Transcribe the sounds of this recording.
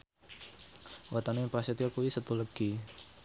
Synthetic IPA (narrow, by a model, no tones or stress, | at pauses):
wʔat̪anuipasit̪iakuwisət̪uləɡ̥i